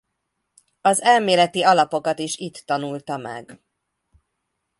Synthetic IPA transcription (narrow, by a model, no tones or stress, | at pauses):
ɒzɛlmeːlɛt̪iɒlɒpo̞kɒt̪iʃit̪ːɒnult̪ɒmɛ̰ɡ